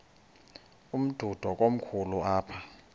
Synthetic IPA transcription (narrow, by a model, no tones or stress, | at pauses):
um̩d̥ʱud̥ʱɔk̬ʼom̩kʰuluaːpʰa